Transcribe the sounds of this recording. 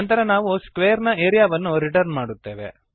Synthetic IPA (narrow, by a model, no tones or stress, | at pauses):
nt̪ɐɾɐnaːʋuskʋeːɐɾnɐeːɾijaːʋɐnːuɾiʈɐɾnmaːɽut̪ːe̞ːʋe̞̰